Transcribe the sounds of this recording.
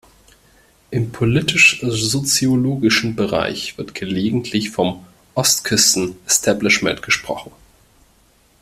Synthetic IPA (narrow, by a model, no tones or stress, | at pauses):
ʔɪmpʰolɪtɪʃzot͡sioloːɡɪʃn̩bəʁa̰ɪçv̥ɪɐtɡ̥əleːɡŋ̩tʰlɪçfɔm | ʔɔstkʰʏstn̩ɛstʰablɪʃmɛ̰̃ntɡ̥əʃpʁ̥ɔ̰χn̩